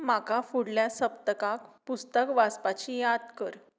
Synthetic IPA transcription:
makafuɽljasəp̚t̪əkakpust̪əkʋaspat͡ɕijad̪kəɾ

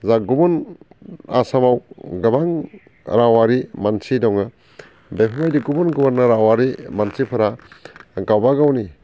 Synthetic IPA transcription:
zaɡubun | a̰samawɡɐbaŋ | ɾawaɾimansidɔŋa | bepʰamajdiɡubunɡubunːaɾawaɾimansipʰɯɾa | ɡawbaɡawni

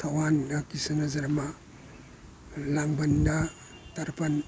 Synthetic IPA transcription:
tʰawandɐkisɐnɐzɐɾma | laŋbɐnda | taɾpɐn

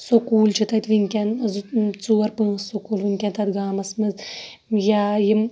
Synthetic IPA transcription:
sokuːlʲt͡ʃɨt̪ɐt̪ʋɨŋʲkʲɛnzt͡suːɐɾpɨsːokuːlʋɨŋʲkʲɛnt̪ɐd̪ɡaːmɐsmɨz | jajɪm

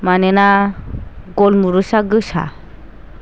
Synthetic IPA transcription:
manɛna | ɡɔlmuɾusaɡɯsa̰

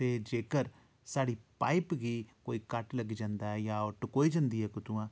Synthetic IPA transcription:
t̪eːd͡ʒeːkəɾ | saːɽiːpaːipɡiːkoːiːkəʈləɡd͡ʒãːnd̪aːɛjaːʊʈkoːiːd͡ʒə̃nd̪iːɦɛːkʊt̪uãː

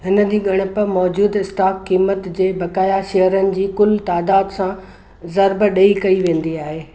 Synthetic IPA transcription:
ɦɪnə̆d͡ʑiːɡʱɐɽ̃ɪ̆pɐmɔːd͡ʑuːd̪ɪsʈaːkːiːmət̪d͡ʑeːbɐkaːjaʃeːɦəɾənɪ̆d͡ʑiːkʊlt̪aːd̪aːd̪sã | zɐɾbəɗɐikɐiʋẽːn̆d̪iaːɦeː

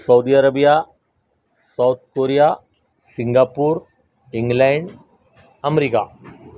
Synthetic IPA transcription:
sɐwd̪iɐɾɐbija | sawt̪̚koːɾija | siŋɡaːpuːɾ | iŋɡlaɳɖ | ɐmeɾika̰

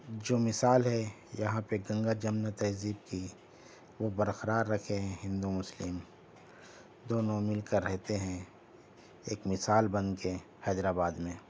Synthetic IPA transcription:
d͡ʒoːmɪsaːlɦɛ | jɐɦãpeɡɐ̃ŋɡad͡ʒɐmnat̪ɛɦziːb̚ki | ʋobɐɾxəɾaːɾːɐkʰeɦɛ̃ɦɪ̃nd̪umʊslɪm | d̪oːnõmɪlkəɾːɛɦt̪eɦɛ̃ | eːkmɪsaːlbɐnke | hɛːd̪ɾaːbaːd̪mẽː

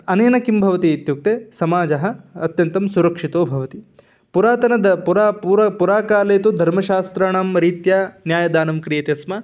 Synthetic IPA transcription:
ɐneːnɐkimbʱɐʋɐt̪iːt̪juk̚t̪esɐmaːd͡ʒɐɦɐ̆ɐt̪jɐnt̪ɐmsuɾɐkʂit̪oːbʱɐʋɐt̪i | puɾaːt̪ɐnɐd̪ɐpuɾauːɾɐpuɾaːkaːleːt̪ud̪ʱɐɾmɐʃaːst̪ɾɐɳamɾiːt̪jaːnjaːjɐd̪aːnɐmkɾijet̪esmɐ

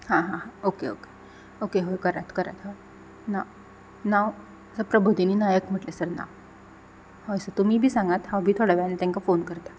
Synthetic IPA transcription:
hãɦãɦãokeo̰ke̥ | okeɦojkəɾat̪kəɾa̰t̪ɦoj | naw | naʋ | əsəpɾəbʱud̪ʱiniːnajəkm̤əʈlesəɾna̰ | hojsəɾt̪um̤iːbʱiːsãŋɡat̪hãwbʱiːt̪ʰoɽaʋɛɭanat̪ãŋkafonkəɾt̪a

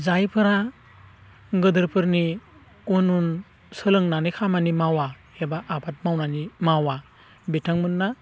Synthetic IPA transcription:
zajpʰɯɾa | ɡɯdɯɾpʰɯɾni | unun | sɯlɯŋnanikʰamanimawa | ebaʔːbat̚mawnanimawa | betʰaŋmɯnːa

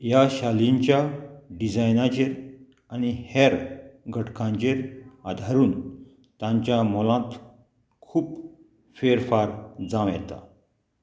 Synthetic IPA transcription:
jaɕaliɲt͡ɕjaɖid͡zajnat͡ɕeɾ | añiheɾɡʱəʈʰkãɲt͡ɕeɾad̪ʱaɾuːn | t̪ãɲt͡ɕjamɔlãt̪ | kʰuːp | feɾfaɾd͡zãʋjɛ̰t̪a̰

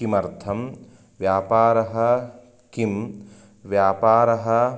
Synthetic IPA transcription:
imɐɾt̪ʰɐm | ʋjaːpaːɾɐɦɐ | kim | ʋjaːpaːɾɐɦɐ̆

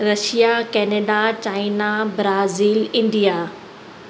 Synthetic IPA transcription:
ɾɐʃijakɛːneːɖat͡ɕaːinabɾaːziːlɪ̃ɳɖija

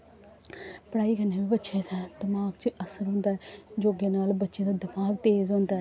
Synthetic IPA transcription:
pəɽaːiːkənːeːbiːbətːʃeːt̪ʰɛːd̪əmaːkt͡ʃʔəsəɾɦõːnd̪aːɛd͡ʒoːɡeːnaːlbətːʃeːd̪aːd̪ɪmaːɡt̪eːzɦõːnd̪aːɛː

